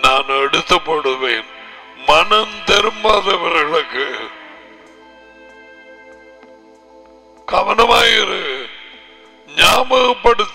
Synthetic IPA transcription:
naːneɽut̪ːɐpːɐɽuʋeːnmɐɳɐnt̪eɾumːaːðɐʋɐɾɣɐɭɐkːɨ | kɐʋɐnɐmaːjirɨ | ɲaːmɐɣɐpːɐɽut̪ː

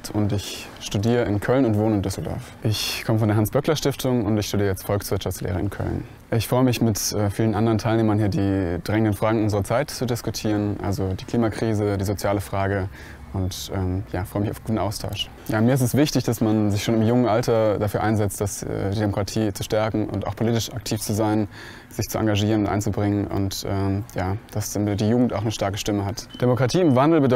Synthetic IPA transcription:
tʰʊntɪç | ʃtudiːʁ̞əɪnkʰœlnʊntv̥oːnəɪndʏsl̩dɔ̰ɐfʔɪçkʰɔməfɔndeɐɦansb̥œklɐʃtɪftʰʊŋʊntɪçʃtudiːʁəat͡stfɔlksv̥ɪɐtʃaft͡slḛːʁ̞əɪ̰nkʰœ̰ln | ʔɪçfʁ̥ɔʏəmɪçmɪtʔɛːfiːlənʔandəʁəntʰaɪlneːmɐnhiːɐdiːd̥ʁɛŋəndənfʁ̥aːɡŋ̩ʊnzəʁɐt͡saɪtt͡sudɪskutʰiːʁənʔa̰lzodiːkʰl̥iːmakʁ̥iːzədiːzot͡sjaːləfʁ̥aːɡə | ʔʊntʔɛːmjaːfʁɔʏəmɪçaʊfɡ̥uːtn̩ʔaʊstʰaʊʃ | jaːmiːɐɪstɛsv̥ɪçtɪçd̥asmanzɪçʃoːnɪmjʊŋənʔaltɐd̥afyːɐʔaɪnzɛt͡std̥asɛ̰ːdiːdemokʁ̥atʰiːt͡suʃtɛɐkŋ̩ʔʊ̰ntaʊxpʰoliːtɪʃʔak̚tʰiːft͡suzaɪn | z̥ɪçt͡suʔa̰ŋɡaʒiːʁənʊntʔa̰ɪnt͡subʁɪŋənʔʊ̰ntʔɛːmjaːd̥asdiːjuːɡŋ̩ta̰ʊxnəʃtaɐkəʃtɪməɦatd̥emokʁ̥atʰiːɪmvandl̩bəd

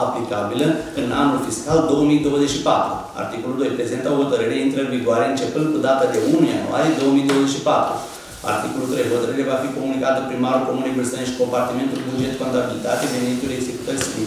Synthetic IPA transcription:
aplikabilə | ɨna̰nulfiskald̪o̞wəmid̪o̞wəzet͡ʃʃipat̪ɾṵ | a̰rt̪ikoluld̪o̞jpɾezent̪əoɦo̞t̪əɾɨɾeint̪ɾəviɡoaɾeɨnt͡ʃe̞pɨnd̪̚kud̪at̪ad̪e̞ʔunujanṵa̰ɾie̞d̪o̞wəmijd̪owəze̞t͡ʃʃipat̪ɾṵ | a̰rt̪iko̞lult̪ɾejɦot̪əɾɨɾevafiko̞munikat̪əpɾimaɾulko̞munebɨsəneʃi̥kompart̪ime̞nt̪ulbud͡ʒet̪kont̪abilit̪at̪evenit̪uleɡzeku̥t̪əs

